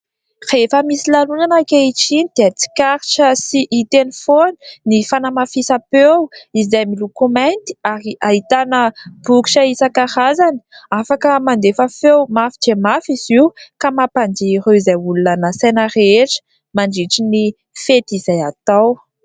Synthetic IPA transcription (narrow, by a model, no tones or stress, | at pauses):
refəmisilalunanakeiʈ͡ʂinid̪̥eət͡si̥kʲaɾiʈ͡ʂəsiʔit̪enifoninifanamafisapewizajmilukomant̪i̥aɾiʔaɦit̪anəb̥uku̥ʃəisakaɾazani̥afakəmand̪efəfewmafid͡ʒemafiziwkamapand̪iɾeizajulunanəsanaɾeʈ͡ʂə̥ | maɳɖ͡ʐiʈ͡ʂini | fet̪izajat̪aw